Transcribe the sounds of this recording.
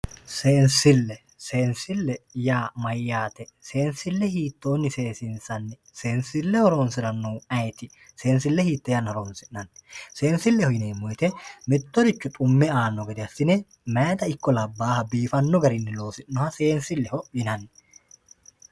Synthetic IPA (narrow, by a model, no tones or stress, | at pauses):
seːnsɪlːɛ | se̞ːnsɪlːɛjaːmɐjːaːt̪ɛse̞ːnsɪlːɛhiːt̪ːo̞ːnːɪse̞ːsɪnsɐnːɛ | se̞ːnsɪlːɛhɔɾoːnsɪɾɐnːuːɐjt̪ɪ | se̞ːnsɪlːɛhiːt̪ːɛjɐnhɔɾoːnsɪnnɐnse̞ːnsɪlːɛhɔjɪneːmːɔjt̪ɛmɪt̪ːɔɾɪt͡ʃːʊt̪ʼʊmːɛaːnːɔɡɛd̪ɪɐsːɪnɛ | mɛjt̪ɐɪkːɔlɐbːaːhɐbiːfɐnːɔɡɐɾɪnːɛlo̞ːsɪːɔhɐse̞ːnsɪlːɛhɔjɪnɐnː